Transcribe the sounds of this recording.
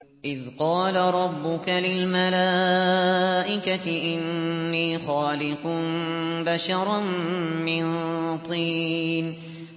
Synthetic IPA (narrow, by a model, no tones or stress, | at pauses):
ʔɪðqɑːlaɾˤɑbːʊkalɪlmalaː | ʔɪkat̪ɪʔɪnːiːxaːlɪqnbaʃɑɾˤmɪnt̪ˤiːn